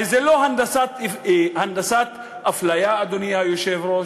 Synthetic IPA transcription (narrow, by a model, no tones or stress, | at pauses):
izelohand̪asat̪hand̪asat̪ | aflajaːd̪onijajoʃevɾo